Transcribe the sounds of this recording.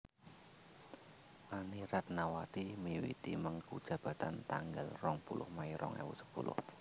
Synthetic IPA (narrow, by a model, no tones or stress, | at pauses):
ʔaniɾat̪̚nawat̪imiwḭt̪iməŋkud̥ʒ̥ä̤b̥a̤t̪ant̪aŋɡalrɔŋpulʔʊhmaiɾɔ̰ŋa̰wṵsə̥pulʔʊ̰h